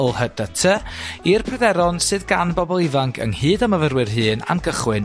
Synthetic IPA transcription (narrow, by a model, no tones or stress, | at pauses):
lˠhəd̥ətʰəirpʰrɛdɛɾɔnsɨðɡanbɔbɔlˠɪvaŋkʰə̰ŋhɨːdaməvərwɨrɦɨːna̰nɡəχwɪn